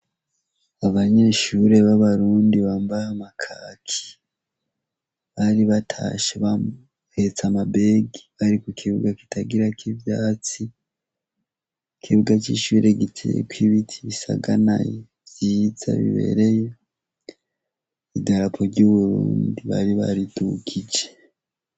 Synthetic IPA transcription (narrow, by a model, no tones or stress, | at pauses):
aβaɲe̞ʃuɾe̞βaβaɾuːndiβaːmbahamakʰaːkʰi̥ | βaɾiβatʰa̰ʃeβa | het͡samabe̞ːɡiβaɾikukʰiβuɡaki̥taɡiɾakivjaːt͡si | kʰiβuɡat͡ʃiʃuːɾe̞ɡitʰejḛkwiβitʰiβisa̰ɡanaje | vjiːz̥a̰βḭβe̞̰ɾe̞je | idaɾapʰoɾɟoβuɾuːndiβa̰ɾiβa̰ɾiduɡid͡ʒe